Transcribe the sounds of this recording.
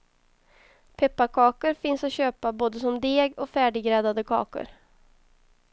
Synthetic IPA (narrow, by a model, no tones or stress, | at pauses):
pʰɛpːakʰɑːkəɾfɪnsat̪ɕøːpaboːd̪əsɔmd̪eːɡɔkfæːɖɪɡɾɛd̪ad̪əkʰɑ̰ːkə̰ɾ